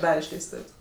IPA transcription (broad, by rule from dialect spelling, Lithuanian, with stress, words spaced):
ˈdɑːrʲɛ ɪʃʲlʲɛɪsˈtʊwsʲ